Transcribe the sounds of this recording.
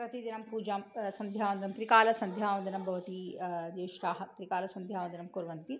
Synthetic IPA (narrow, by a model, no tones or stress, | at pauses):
pɾɐt̪id̪inɐmpuːd͡ʒaːmsɐnd̪ʱjaːʋɐnd̪inɐmt̪ɾikaːlɐsɐnd̪ʱjaːʋɐnd̪inɐmbʱɐʋɐt̪id̪eːʃɾaːɦɐt̪ɾikaːlɐsɐnd̪ʱjaːʋɐnd̪inɐmkuɾʋɐnt̪i